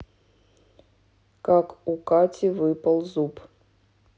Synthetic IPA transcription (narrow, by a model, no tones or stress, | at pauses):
kakukatʲivɨpəlˠzup